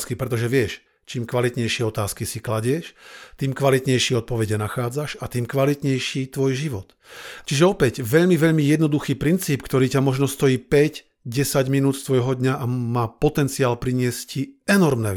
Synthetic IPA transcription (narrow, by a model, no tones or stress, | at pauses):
skipɾɛt̪ɔʒɛʋɪɛʃ | t͡ʃiːmkʋalit̪ɲɛjʃɪɛɔt̪aːskisiklaɟɪɛʃt̪iːmkʋalit̪ɲɛjʃɪɛɔt̪̚pɔʋɛɟɛnaxaːd͡zaʃat̪iːmkʋalit̪ɲɛjʃiːt̪ʋɔjʒiʋɔt̪ | t͡ʃiʒɛɔpɛɟʋɛʎmiʋɛʎmijɛd̪nɔd̪uxiːpɾint͡siːpkt̪ɔɾiːcamɔʒnɔst̪ɔjiːpɛɟ | ɟɛsaɟminuːt̪st̪ʋɔjɦɔd̪ɲaʔamaːpɔt̪ɛnt͡siaːlpɾiɲɪɛsciɛnɔɾmnɛ̰